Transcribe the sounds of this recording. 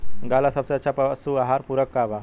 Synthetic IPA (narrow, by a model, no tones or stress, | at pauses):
ɡalasəpsat͡ɕapəsuaɦaɾpuɾəkːaʋa